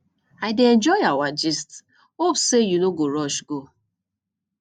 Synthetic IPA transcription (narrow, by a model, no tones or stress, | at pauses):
aɪdeɛnd͡ʒɔɪawad͡ʒist | opsejunoɡoɾɔʃɡo